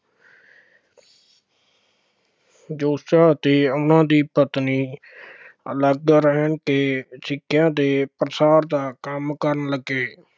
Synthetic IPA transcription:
d͡ʒoːsaːt̪eːʊnãːd̪iːpət̪niː | ələɡɾəɦəɳkeːsɪkɪjãːd̪eːpɾəsaːɾd̪aːkəmkəɾənləɡeː

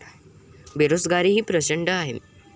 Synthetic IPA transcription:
beɾosɡaɾiːɦiːpɾət͡ɕəɳɖəaɦe

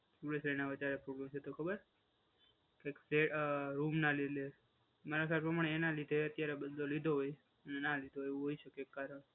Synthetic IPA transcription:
tuɽesɾenaʋət͡ʃaɾepɾoblemt͡ʃʰet̪okʰəbəɾ | kekfeɾumnaled̪le | maɾakʰapɾəmaɳ̃eenalid̪ʱeət̪jaɾebəd̪lolid̪ʱoɦoj | ənenalid̪ʱooeũɦoiʃəkekːaɾəɽ̃

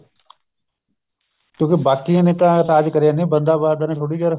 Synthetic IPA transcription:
kõːkibaːkijãːneːt̪ãːt̪aːd͡ʒkəɾjãːnĩːbənd̪aːbaːd̪aːnẽːʈʰʊɽiːkəɾ

